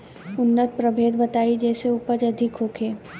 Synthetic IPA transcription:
ʊnːət̪̚pɾɐbʱeːd̪bɐt̪aːid͡ʒɛːseuːpəd͡ʒɐd̪ʱɪkɦoːkʰeː

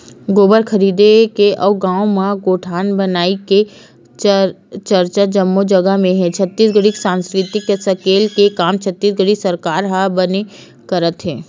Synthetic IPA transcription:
ɡoːbəɾkʰɐɾiːd̪ekeʔɔːɡãːomãɡoːʈʰaːnbənaːike | t͡ʃəɾt͡ʃad͡ʒɐmːod͡ʒɐɡəɦmẽɦɛ̃t͡ʃʰɐt̪ːiːsɡəɽiksãːnskɾɪt̪ɪkjasɐkeːlkekaːmt͡ʃʰət̪ːiːsɡəɽisɐɾkaːɾɦabəne | kɐɾət̪ɦɛː

